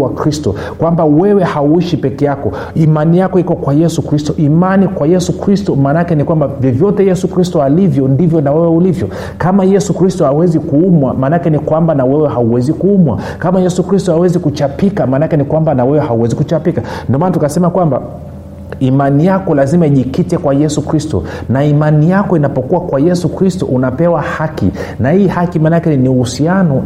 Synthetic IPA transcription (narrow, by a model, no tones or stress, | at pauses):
wakɾistɔ | kwambawɛwɛhauiʃipɛkɛjakɔ | imanijakɔikɔkwajɛsukɾistɔʔimanikwajɛsukɾistɔmaːnakɛnikwambavjɔvjɔtɛjɛsukɾistɔalivjɔndivjɔnawɛwɛulivjɔ | kamajɛsukɾistɔawɛzikuumwa̰maːnakɛnikwambanawɛwɛɦauwɛzikuumwa̰ | kamajɛsukɾistɔhawɛzikut͡ʃapikamanakɛnikwambanawɛwɛhauwɛzikut͡ʃapikandiɔmanatukasɛmakwamba̰ | imanijakɔlazimaiʄikitɛkwajɛsukɾistɔ̰naimanijakɔinapɔkuwakwajɛsukɾistɔ̰ʔunapɛwahakḭnahiːhakimanakɛniuhusianɔ